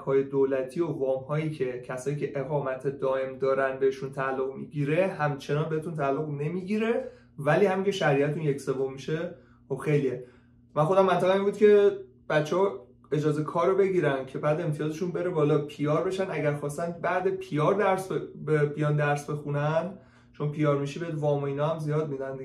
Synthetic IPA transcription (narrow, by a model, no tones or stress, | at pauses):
hɒːje̞d̪oːlæt̪ʰio̞vɒːmhɒːjiːcʰe̞cʰæsɒːjiːcʲʰe̞ʔeɣɒːmæt̪ʰe̞d̪ɒːe̞md̪ɒːɾænd̪be̞eʃunt̪ʰæːlːoɣmiːɟiːɾe̞hæmt͡ʃʰe̞nɒːnbe̞et̪ʰunt̪ʰæːlːoɣne̞miːɟiɾe̞ | væliːhæmiŋcʰeʃæɾiæt̪t̪unje̞cse̞vo̞mːiʃe̞ | xo̞b̥xe̞jlije | mænxo̞d̪æmːænt̪ʰæɣæmiːnbud̪kcʰe̞ | b̥æt̪t͡ʃʰːeɒ | e̞d͡ʒɒːzekʰɒːɾobe̞ɟiɾænd̪̥̚cʰe̞bæːd̪emt̪ʰijɒːze̞ʃunbe̞ɾebɒːlɒːpʰijɒːɾbe̞ʃænæɟæɾxɒːst̪ænd̪̚bæd̪epʰijɒːɾd̪æɾsbbebijɒnd̪æɾsbe̞xunænd̪ | t͡ʃʰo̞npʰijɒːɾmiʃibeed̪vɒːmoiːnɒːhæmzijɒːd̪̚mid̪ænd̪i